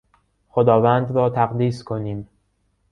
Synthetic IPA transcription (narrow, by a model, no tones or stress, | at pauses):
xod̪ɒːvænd̪ɾɒːt̪ʰæɣd̪iːskʰoniːm